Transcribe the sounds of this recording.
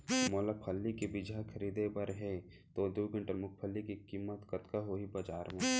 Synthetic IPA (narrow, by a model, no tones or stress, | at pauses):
moːlapʰəlːikebɪd͡ʒʱakʰɐɾiːd̪ebɐɾɦɛ | t̪od̪uːɡə̃ɳʈəɾmʊk̚ʰpʰəlːikikiːmːət̪kɐt̪kaɦoːibad͡ʒaːɾmẽ